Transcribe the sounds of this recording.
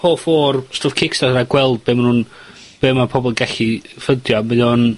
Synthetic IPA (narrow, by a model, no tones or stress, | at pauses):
hoːfoːrstoːfkʰɪkstaəɾaɡwɛlˠd̚beːmnuːn | b̥eːmapʰɔbɔlˠɡɛɬifədjɔməðɔn